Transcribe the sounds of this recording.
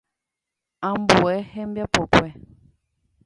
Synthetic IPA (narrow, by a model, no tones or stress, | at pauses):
ambuɛhɛmbjapɔpwɛ